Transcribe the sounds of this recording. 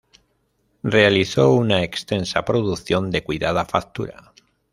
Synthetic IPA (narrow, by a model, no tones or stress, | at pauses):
re̞aliθo̞unaekst̪e̞nsapɾo̞ðuθjo̞nd̪e̞kwiðað̞afak̚t̪uɾa̰